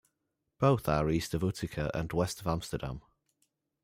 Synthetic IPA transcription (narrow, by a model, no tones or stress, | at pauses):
b̥oʊθəɹiˑstəvʊtʰɪkʰəʔə̰̃nwɛstəvãmstədã̰m